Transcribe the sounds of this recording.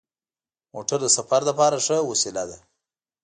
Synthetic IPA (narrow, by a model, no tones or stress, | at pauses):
moʈaɾd̪əsafaɾd̪apɑɾaʂəwasilad̪a